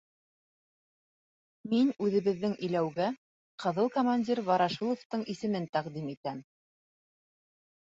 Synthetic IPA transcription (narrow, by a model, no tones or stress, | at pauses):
minʉðɘ̆βɘ̆ðːɘŋʔɘ̆jlæwɡæ | qɤ̆ðɤlˠkomanʲdʲiɾvɑɾɑʃulˠŏft̪ɤɴisɘ̆mɘnt̪æqd̪imit̪æm